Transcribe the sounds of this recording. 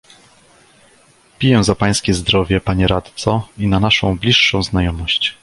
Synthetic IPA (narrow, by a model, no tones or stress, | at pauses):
pʲijɛ̃zapaj̃skʲɛzd̪ɾɔvʲjɛpaɲɛɾat̪t̪sɔinanaʂɔ̃w̃blʲiʂːɔ̃w̃znajɔmɔɕt͡ɕ